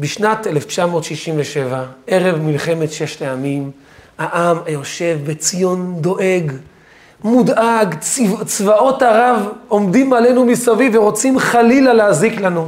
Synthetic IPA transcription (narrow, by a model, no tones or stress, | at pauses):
biʃnat̪eleft͡ʃamo̞ːt̪ʃiʃimveʃe̞vaʔe̞ʁe̞vmilχe̞me̞t̪ʃe̞ʃleamim | aʔamajo̞ʃe̞vbet͡sijo̞nd̪o̞ʔe̞ɡ | mud̪ʔaɡt͡svaʔo̞taʁavo̞md̪imale̞numisavivːeʁo̞t͡simχalilaleaziklanu